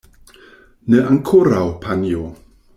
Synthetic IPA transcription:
nəʔaŋkʰʊɾawpʰanjo

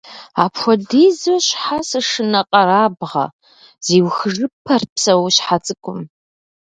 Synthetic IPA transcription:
a̰ːpxʷɔdiːzoɕħasɨʂɨnɐqʼɐɾaːbʁɐ̰ | z̥iːwxɨʐɨpʰɐrpsɐwɕħat͡sʼɨkʷʰʼʊm

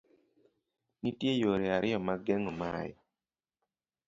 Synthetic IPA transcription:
nitjejoɾiaɾɪjɔmaɡeŋoma̰j̰

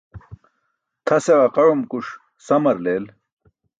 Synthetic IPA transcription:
t̪ʰɐseʁɐqɐɻumkuʂ | sɐmɐɾleːl

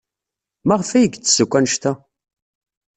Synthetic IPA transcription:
mæʁfæjəɡt͡sːə̥səkʷːænəʃt̪æ

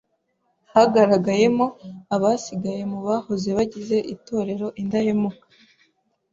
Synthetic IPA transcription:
haɡaɾaɡaje̞mo̞aβasiɡaje̞muβahoze̞βaɟize̞ʔito̞ːɾe̞ɾo̞ʔindahemukḁ

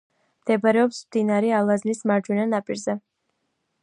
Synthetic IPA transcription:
md̪̥ɛbaɾɛɔpsmd̪inaɾɛalˠazlismaɾd͡ʒwɛnanapʼiɾzɛ

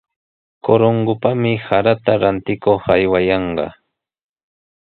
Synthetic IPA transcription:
koɾoɴɢʊpamɪhaɾat̪aɾant̪ɪkoχajwajɑɴɢɑ̰

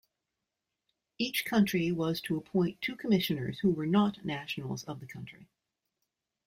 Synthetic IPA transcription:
it͡ʃkʰʌ̃nt͡ʃɹ̥iwʌz̥tʰəəpʰɔ̃ɪ̃ntʰʉkʰəmɪʃɨ̃nə̰˞z̥huwə˞nətⁿnæʃn̩l̩ˠzʌvðɨkʰʌ̃nt͡ʃɹ̥ḭ

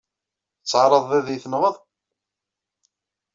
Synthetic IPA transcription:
t͡sːʕɾˤəðˤæðijθənʁəðˤ

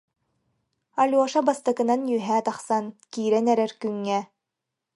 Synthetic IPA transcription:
alʲuɔʃabast̪akɯ̆nanjyɦæːt̪aχsankiːɾɛnɛɾɛɾkyŋːɛ

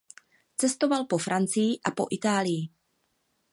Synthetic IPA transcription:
t͡sɛst̪o̞valpo̞fɾʔant͡sɪjɪʔapo̞̰ʔɪt̪aːlɪjɪ

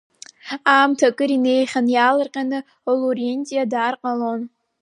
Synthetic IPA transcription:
aːmtʰakʼɨɾine̞jχʲanjaːlɨrqʲʼanɨ | olurentʼijadaːrqʼalon

